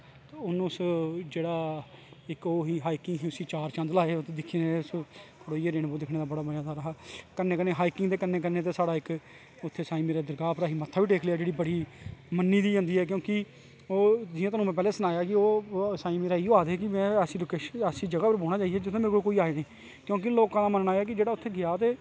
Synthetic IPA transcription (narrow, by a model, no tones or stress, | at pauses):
t̪ʊnũːʊsd͡ʒeːɽaːɪkoːɦiːɦaːikɪŋɡɦiːʊsiːt͡ʃaːɾt͡ʃə̃nd̪laːeːt̪eːd̪ɪkʰːineeʊskʰəɽoːiːeːɾeːnboːd̪ɪkʰneːd̪aːbəɽaːbəd͡ʒãːd̪aːɾəɦaːkənːeːkəɾneːɦaːikɪŋɡd̪eːkəneːkəɾneːt̪̬eːsaːɽaːɪk | ʊt̪ʰːeːsaːĩːmeːɾaːd̪əɾkaːpɾaːɦiːmət̪ʰːaːʋiːʈeːkʰlejaːd͡ʒeːɽiːbəɽiːmənːiːd̪iːə̃ːnd̪iːɦɛːk̬jõːkɪ | oːd͡ʒɪjãt̪̬aːũːmɛ̃ːp̬ɛːlɛːsənaːjaːkɪoːsaːiːmeːɾaːiːoːaːd̪ekɪmɛ̃ːəsiːlokeːʃəsiːd͡ʒəɡaːpəɾboːɽaːt͡ʃaːiɛːd͡ʒɪt̪ʰːẽːmeːɾkookoːiːaːenĩː | kjõːk̬ɪloːkãːd̪aːmənɳaːeɛːk̬ɪd͡ʒeːɽaːʊt̪ʰːeːɡɪaːt̪eː